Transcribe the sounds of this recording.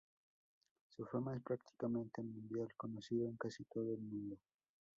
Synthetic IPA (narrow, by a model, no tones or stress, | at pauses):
sufamaespɾakt̪ʰi̥kamẽ̞nt̪enmũnd̪jalko̞nosiðoeŋkasit̪oðoelmũnd̪o